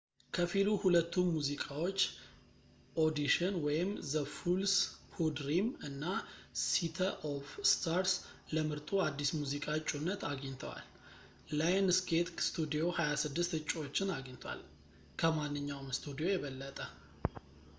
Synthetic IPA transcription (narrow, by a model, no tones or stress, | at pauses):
kʰəfiluhulət̪ːunmuzikʼawo̞t͡ʃː | ʔo̞d̪iʃɨnwɔjɪmzəfulshud̪ɾimɨnːasit̪ʰəʔofst̪ʰaɾsləmɨɾt̪ʼuad̪ːismuzikʼat͡ʃʼːunːət̪aɡɲt̪ʰəwa̰lː | ajnsɡet̪st̪ʰud̪ijo̞hajasɨd̪ːɨst̪ɨt͡ʃʼːo̞t͡ʃːɪnaɡɲt̪ʰwa̰l | kʰəmanːɨɲːawmst̪ʰud̪ijo̞jɛβəlːət̪ʼə